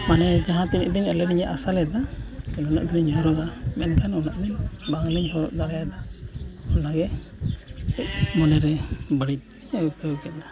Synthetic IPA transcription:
manɛd͡ʒaɦãt̪iniʔd̪inɛlɛɾiɲaʔasalɛd̪akɛnɔnaʔd̪inɲɔɾɔɡamɛnkʰanɔnaʔd̪inbaŋliɲhɔɾɔʔd̪aɾajad̪a | ɔnaɡɛ | ɛʔ̚mɔnɛɾɛbəɽic̚ | wkəwkɛt̪̚na

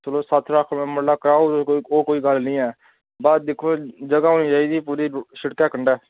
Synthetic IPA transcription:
t͡ʃəloːsət̪ʰɾəkʰmɛ̃ːməɽlaːkəɾaːuːoːkoːiːɡəlnĩːɛː | baːd̪d̪ɪkʰːoːd͡ʒəɡaːɦoːnĩːd͡ʒaːiːd̪iːpuːɾiːʃɪɽkaːkəɳɖɛː

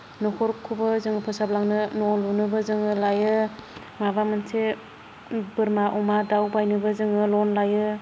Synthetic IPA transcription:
nɔkʰɔɾkʰːubɯzɯŋɯpʰɯsablaŋnɯnɔlunɯbɯzɯŋɯlajɯ | mabamɯnse | bɯɾmaʔumadawbajnɯbɯzɯŋɯlɔnlajɯ

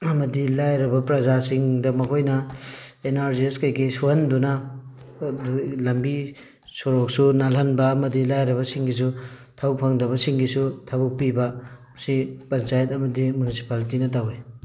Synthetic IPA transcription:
ɐmɐdilajɾɐbɐpɾɐzasiŋdɐmɐkʰojnɐenaɾzieskajɡisuɦɐndunɐ | lɐmbi | soɾok̚sunalɐnbɐːmɐdilajɾɐβɐsiŋɡis̬utʰawpʰaŋdɐβɐsiŋɡisutʰɐbuk̚pibɐ | sipɐnt͡ʃajɐtɐmɐdimunisi̥paltinɐt̬awe

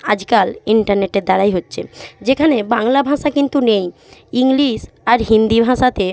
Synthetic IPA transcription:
ad͡ʑkaliɳʈaɾneʈeɾd̪aɾajɦotːɕʰḛd͡ʑekʰanebaŋlabʱãʃakint̪unej | iŋliʃ | aɾɦind̪ibʱãʃat̪e

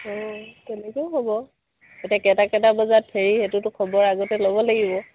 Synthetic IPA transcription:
ɔtɛnɛkeʊɦobɔ | etiakɛtakɛtabɔzat̚pʰeɹihetʊtʊkʰɔbɔɹaɡɔtɛlobɔlaɡibɔ

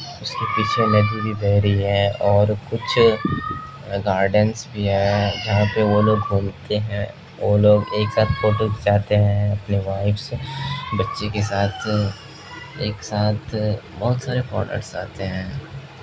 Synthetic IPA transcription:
ʊskepiːt͡ʃʰened̪ibʱibɛɦɾiɦɛ̃ːɔːɾkʊt͡ʃʰ | ɡaːɾɖənsbʱiɦɛːd͡ʒɐɦãpeʋoloːɡbʱuːmt̪eɦɛ̃ | oloːɡeːksaːt̪ʰfoːʈɪ̃kd͡ʒaːt̪eɦɛ̃ɐpneʋaːɪfsbɐtːʃekesaːt̪ʰ | eːksaːt̪ʰbɐɦʊt̪saːɾefɔ̰ːɾnʔə̰ʈsa̰ːt̪eɦɛ̃ː

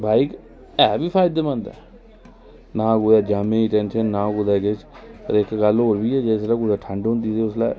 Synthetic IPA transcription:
bʱaːik | ɛːbiːpʰaːɪd̪eːmə̃nd̪ɛ̰ː | naːɡuːjɛːd͡ʒaːmẽːiʈɛːnʃənːãːkud̪aːkɪt͡ʃpə̰ɾɪkɡəloːɾbiːɛːd͡ʒeːslaːkud͡ʒaːʈʰə̃ɳɖɦʊ̃nd̪iːsiːʊsla̰ː

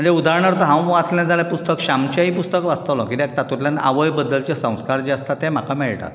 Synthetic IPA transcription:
m̤əɳd͡zeud̪ʱaɾɳəɾt̪əɦãw̃ʋat̪lãd͡zaljapust̪əkɕamt͡ɕaipust̪əkʋast̪alɔ̰̃kit̪ɛk̚t̪at̪uʈ̪lana̰ʋəjbəd̪ːəlt͡ɕesə̃w̃skaɾd͡ʑeəst̪at̪em̤akamɛɭʈa̰t̪

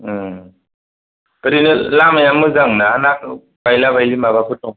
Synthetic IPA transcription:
kɯɾinɯlamajamɯzaŋnaanak̚ | bajlabajlimaβakʰɯt̚ːɔŋ

